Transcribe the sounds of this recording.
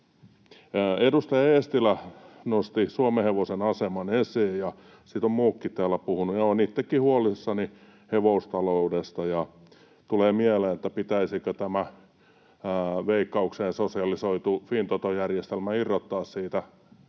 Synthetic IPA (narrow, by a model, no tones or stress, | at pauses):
edust̪ɑjɑest̪ilænost̪isuomeheʋosenɑsemɑnesiːjjɑ | sit̪ommuːkːit̪ːæːlːæpuhunujɑonit̪ːekːihuolisːɑni | heʋoust̪ɑloudest̪ɑjɑ | t̪uleːmieleːnet̪ːæpit̪æisikøt̪æmæ | ʋeikːɑukseːnsosiɑlisoit̪ufint̪ot̪ojærjest̪elmæirːot̪ːɑːssiːt̪æ